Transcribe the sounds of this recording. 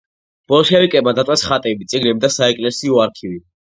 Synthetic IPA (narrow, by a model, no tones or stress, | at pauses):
b̥ɔlˠʃɛvikʼɛbmad̪at̪ʼɛsχat̪ʼɛbit̪sʼiɡlɛbid̪asaɛkʼlɛsiɔaɾkʰivi